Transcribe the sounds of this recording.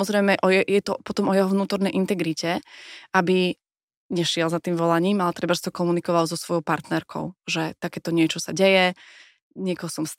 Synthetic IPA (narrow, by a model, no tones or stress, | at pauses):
ɔzɾɛɪmɛʔɔjɛjɛt̪ɔpɔt̪ɔmɔjɛɦɔʋnuːt̪ɔɾnɛjʔint̪ɛɡɾicɛabi | ɲɛʃɪɛlzat̪iːmʋɔlaɲiːmalɛt̪ɾɛbaʒsit̪ɔkɔmunikɔʋalzɔsʋɔjɔʊpaɾt̪nɛɾkʰɔ̰ʊʒɛt̪akɛːt̪ɔɲɪɛt͡ʃɔsaɟɛjɛ | ɲɪɛkɔɦɔsɔms